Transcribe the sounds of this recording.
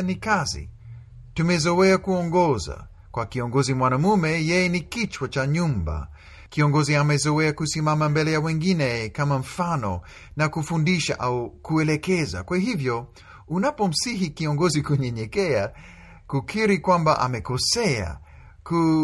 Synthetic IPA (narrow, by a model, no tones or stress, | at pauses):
nikazḭ | tumɛzɔwɛakuɔŋɡɔza̰ | kwakiɔŋɡɔzimwanamumɛjɛjɛnikit͡ʃwat͡ʃaɲumba̰ | kiɔŋɡɔziamɛzɔwɛakusimamambɛlɛjawɛŋɡinɛkamam̩fanɔ̰ | nakufundiʃa̰ʔaukuɛlɛkɛza̰kwahivjɔ | unapɔm̩siɦikiɔŋɡɔzikuɲɛɲɛkɛa | kukʰiɾikwambaʔa̰mɛkɔsɛa̰ | ku